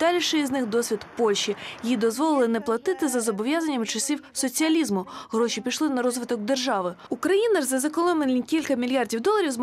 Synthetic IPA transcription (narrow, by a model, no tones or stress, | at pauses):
d̪̥ɑlʲiʃɪiznɪxd̪ɔsʲʋʲid̪pɔlʲʃijid̪ɔzʋɔlˠɪlˠɪnɛplˠɐt̪ɪt̪ɪzɐzɔbɔʋʲjazɐnʲːɐmt͡ʃɐsʲiwsɔt͡sʲiɐlʲizmʊɦɾɔʃipʲijʃlˠɪnɐɾɔzʋɪt̪ɔk̚d̪erʒɑʋɪukɾɐjinɐrzɐzɐkɔlˠɔmenʲikʲilʲkɐmʲilʲjɑrdʲiwd̪ɔlˠɐɾʲiwzm